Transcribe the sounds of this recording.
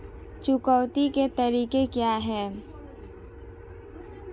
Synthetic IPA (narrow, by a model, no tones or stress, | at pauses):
t͡ʃʊkɔʊt̪iket̪ɐɾiːkekjaːɦɛː